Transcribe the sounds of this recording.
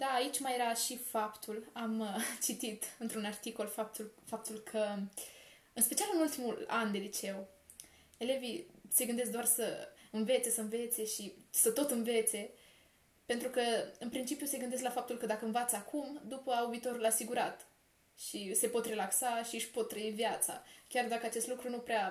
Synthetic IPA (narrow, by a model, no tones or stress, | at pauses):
d̪aːit͡ʃʲmajeɾaʃifapt̪ʰulamt͡ʃit̪it̪ɨnt̪ɾunart̪iko̞lfap̚t̪ulfap̚t̪ulkʰə | ɨnspe̞t͡ʃialɨnult̪imuland̪e̞lit͡ʃe̞w | ele̞vise̞ɡɨnd̪e̞s̬k̚d̪oarsəɨnve̞t̪se̞səɨnve̞t̪se̞ʃisət̪o̞t̪ɨnve̞t̪se̞ | pe̞nt̪ɾukəɨnpɾint͡ʃipjuse̞ɡɨnd̪es̬klafap̚t̪ulkəd̪akəɨnvat̪səakʰumd̪upəaubiːt̪o̞ɾulasiɡuɾat̪ | ʃise̞po̞t̪re̞laksaʃiɨʃpo̞t̪ːɾəivjat̪sa̰kʲard̪akəat͡ʃest̪lukɾunupɾea